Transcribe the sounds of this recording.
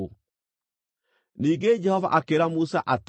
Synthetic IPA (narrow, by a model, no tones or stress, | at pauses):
niːŋɡed͡ʒɛhɔva̰ʔakeɾamusaʔat